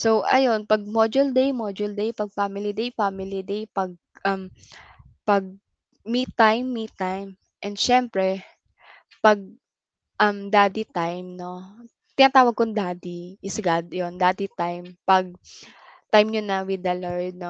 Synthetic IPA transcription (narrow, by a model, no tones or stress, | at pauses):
sowʔɐ̰jonpɐɡ̚mod͡ʒʊld̪ejmod͡ʒʊld̪ejpɐɡ̚famɪlid̪ejfamɪlid̪ejpɐɡ̚ʔɐm | pɐɡ̚ | mit̪ːajmːit̪ːajm | ʔɛnd̪ʃɛmpɾɛ | pɐɡ̚ | ʔɐmd̪aːd̪it̪ajmno̞ | t̪ɪnɐt̪aːwɐɡ̚kʊnd̪aːd̪iʔɪsɡad̪̚jond̪aːd̪it̪ajmpɐɡ̚ | t̪ajmɲʊnɐwɪd̪ɐlaɹd̪̚no